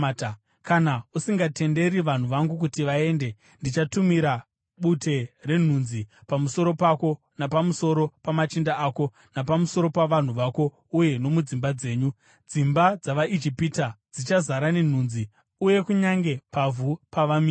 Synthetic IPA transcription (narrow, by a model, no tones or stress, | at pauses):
kanausiŋɡate̞nde̞ɾiʋan̤uʋaŋɡuk̬utiʋae̞ːnde̞ | ndit͡ʃatumiɾa | ɓute̞re̞n̤unzipamuso̞ɾo̞pako̞ | napamuso̞ɾo̞pamat͡ʃindaaːko̞ | napamuso̞ɾo̞paʋan̤uʋako̞ | uje̞no̞mud͡zimbad͡ze̞ːɲu | d͡zimbad͡zaʋaʔid͡ʒipitad͡zit͡ʃazaɾane̞n̤unzi | uje̞kuɲaŋɡe̞pavupaʋamiː